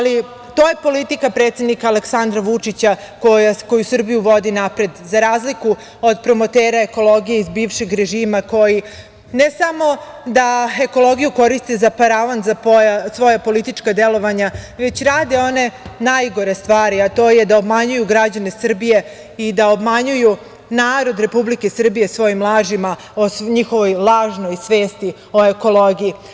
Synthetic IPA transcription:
ali | t̪o̞ːje̞po̞lit̪ikapɾe̞ːt̪sʲed̪nikaaleksand̪ɾaʋut͡ʂit͡ɕa | kojako̞jusr̩bijuʋo̞d̪inapɾe̞d̪zaɾaːzliku | od̪pɾo̞mo̞t̪eːɾae̞ko̞lo̞ɡije̞izbiːʋʃe̞ɡɾe̞ʒiːmako̞ji | nesamo̞ | d̪ae̞ko̞lˠo̞ɡijuko̞ɾist̪ezapaɾaʋanzapojasʋo̞japo̞lit̪it͡ʃkad̪e̞lo̞ʋaɲaʋe̞t͡ɕɾaːd̪e̞o̞ne̞najɡo̞ɾe̞st̪ʋaːɾiat̪o̞ːje̞d̪aobmaɲujuɡɾad͡ʑane̞sr̩bije̞ | id̪aobmaɲuju | naːɾo̞d̪ɾe̞publikesr̩bijesʋo̞jimlˠaːʒima | oɲixo̞ʋojlˠaːʒno̞jsʋe̞ːst̪i | o̞e̞ko̞lˠoɡiji

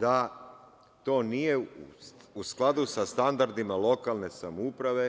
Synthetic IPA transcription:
d̪a | t̪o̞ːnije | usklˠad̪usast̪and̪aɾd̪imalˠo̞kalˠne̞samupɾaʋe̞

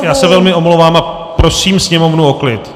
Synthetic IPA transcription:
jaːsɛvɛlmɪo̞mlowvaːma | pɾo̞siːmsɲɛmo̞vnuoklɪt̪

